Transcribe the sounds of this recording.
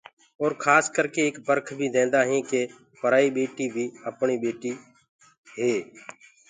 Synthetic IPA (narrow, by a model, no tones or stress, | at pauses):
oːɾkʰaːskəɾkeːeːkbəɾkʰbʱiːd̪ẽːnd̪aːɦĩːkeː | pəɾaːiːɓeːʈiːbʱiːəpɳiːɓeːʈiː | ɦeː